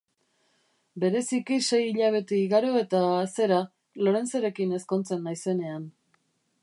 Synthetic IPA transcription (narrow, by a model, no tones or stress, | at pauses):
be̞ɾe̞sikise̞jiʎaβ̞e̞t̪eiɣaɾo̞e̞t̪aːse̞ɾa | lo̞ɾe̞nt͡seɾe̞kine̞sko̞nt͡senːajse̞ne̞an